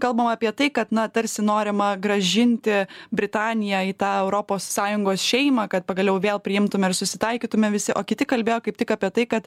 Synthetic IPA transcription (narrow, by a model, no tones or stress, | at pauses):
kɐlˠbɐmɑːpʲiɛt̪ɐɪkɐt̪nɐt̪ɐɾʲsʲɪnoːɾʲɪmɐɡɾɐʒʲɪnʲt̪ʲɪbʲɾʲɪt̪ɑːnʲɪjɛiːt̪ɑːɛʊɾoːpoːsːɑːjʊŋɡoːsʃʲɛɪmɑːkɐt̪̚pɐɡɐlʲɛʊʋʲeːlˠpʲɾʲɪjɪmt̪ʊmʲɛɪrsʊsʲɪt̪ɐɪkʲiːt̪ʊmʲɛʋʲɪsʲɪʔoːkʲɪt̪ʲɪkɐlʲbʲeːjoːkɐɪp̚t̪ʲɪkɑːpʲiɛt̪ɐɪkɐt̪